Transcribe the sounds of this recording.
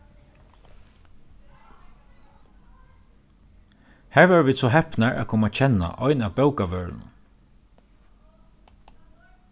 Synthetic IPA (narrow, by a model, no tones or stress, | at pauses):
hæːɹʋɛːɹʋiːd̪sɔɦɛpnaɹʔæ̰kʰʊːmat͡ʃʰɛna̰ʔɔʏnaːwpɛwkaʋœːɹ̰nʊ̰n